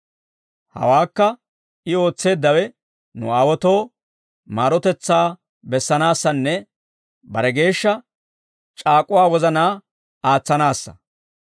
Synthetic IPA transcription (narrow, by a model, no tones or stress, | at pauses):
hɐ̰waːkːɐ | ʔɪo̞ːt͡sːe̞ːd̪ːɐwɛ | nʊ̰aːwɔt̪o̞ː | maːɾɔt̪ɛt͡sːaː | bɛsːɐnaːsːɐnːɛ | bɐɾɛɡe̞ːʃːɐ | t͡ʃʼaːkʼʊwaːwɔzɐnaː | aːt͡sːɐnaːsːɐ̥̰